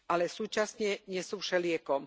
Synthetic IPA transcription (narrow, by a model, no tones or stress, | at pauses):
alɛsuːt͡ʃasɲɛɲɛsuːʃɛlɪɛkɔm